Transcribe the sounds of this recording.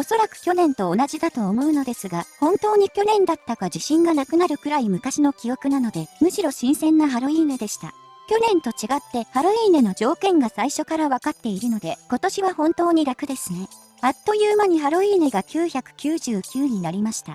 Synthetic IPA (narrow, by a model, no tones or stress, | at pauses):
o̞so̞ɾakɯ̟̥kʲo̞nẽ̞nt̪o̞ːnaʑid̪at̪o̞ːmo̞ɯ̟no̞d̪e̞sɨɡahõ̞nt̪o̞ːɲ̟ikʲo̞nẽ̞nd̪at̪ːaɡad͡ʑiɕĩŋɡanakɯ̟naɾɯ̟kɯ̟ɾaimɯ̟kaɕino̞kʲijo̞kɯ̟nano̞d̪e̞mɯ̟ɕiɾo̞ɕĩɰ̃sẽ̞nːaɦaɾo̞iːne̞d̪e̞ɕi̥t̪a̰ | kʲo̞nẽ̞nt̪o̞t͡ɕiɡat̪ːe̞haɾo̞iːne̞no̞d͡ʑo̞ːkẽ̞ŋɡasaiɕo̞kaɾaβakat̪ːe̞iɾɯ̟no̞d̪e̞ko̞t̪o̞ɕiβahõ̞nt̪o̞ːɲ̟iɾakɯ̟d̪e̞sɨne̞ | at̪ːo̞jɯ̟ːmaɲ̟iɦaɾo̞iːne̞ɡakʲɨːçʲakɯ̟̥kʲɨːʑɨːkʲɨːɲ̟inaɾʲimaɕi̥t̪a̰